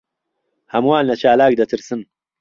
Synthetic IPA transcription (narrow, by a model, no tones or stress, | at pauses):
hɐmwaːlnɐt͡ʃaːlaːɡ̚d̪ɐt̪ʰɨɾsɨn